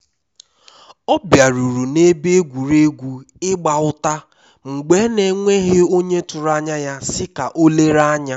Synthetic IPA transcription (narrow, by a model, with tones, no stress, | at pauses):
ɔ˦bja˨ɾu˨ɾu˨ne˦be˦ɡʷu˨ɾe˦ɡʷu˦ | ɪ˦ɡ͡ba˨ʊ˦ta˦ | ŋ͡m̩˨ɡ͡be˦ne˨ŋʷe˦ɦe˦o˦ɲe˦tʊ˨ɾa˦ɲa˦ja˦sɪ˦ka˨ʔo˦le˦ɾa˦ɲa˦